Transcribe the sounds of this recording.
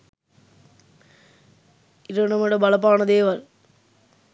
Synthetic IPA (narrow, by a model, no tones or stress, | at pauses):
ɪɾɐnɐmɯɽɐbɐlɐpːaːnɐðeːʋɐl